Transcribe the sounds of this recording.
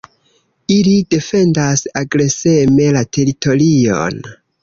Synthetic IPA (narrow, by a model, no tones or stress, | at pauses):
ilide̞fe̞ndasaɡɾe̞se̞me̞latʰe̞ɾito̞lio̞̰n